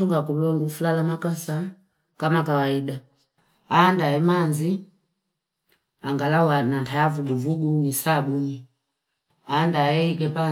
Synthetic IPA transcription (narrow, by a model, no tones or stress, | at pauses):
uŋɡakulɔŋɡufulalamakasa | kamakawaida | aːndaɛmanzi | aŋɡalawanantajavuɡuvuɡunisabuni | aːndaɛikɛpa